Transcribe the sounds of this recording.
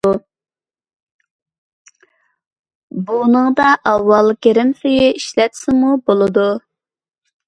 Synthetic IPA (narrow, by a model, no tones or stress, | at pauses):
bunɨŋd̪ɑʔɑwːɑlˠkʲeɾɪmsejɪiʃlɛt̪sɪmubolˠɨd̪u